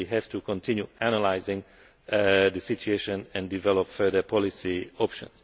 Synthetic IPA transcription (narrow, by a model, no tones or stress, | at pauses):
iɦɛv̥t̪ukʰɔ̃ntʰɪ̃njuænəlaɪzɪ̃ŋ | d̪əsit͡ʃueʃə̃nɛ̃ndivɛlɔpfɜ˞d̪əpʰɔlisiɔpʃə̰̃ns